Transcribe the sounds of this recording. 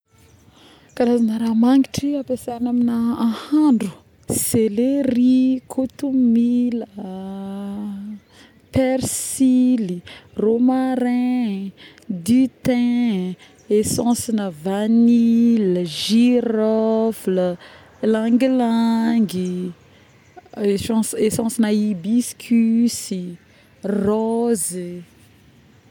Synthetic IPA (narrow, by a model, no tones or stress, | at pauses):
kaɾazanəɾamaŋɡiʈ͡ʂiapesaanaminaãhaɳɖ͡ʐu̥ | seleɾikʰut̪umilə | peɾsiliromaɾɛ̃ | d̪yt̪ɛ̃ | esɑ̃sinəvaniləʒirɔflə | laŋɡilaŋɡi | esɑ̃sesɑ̃sinaibiskʲʰysi | rɔzi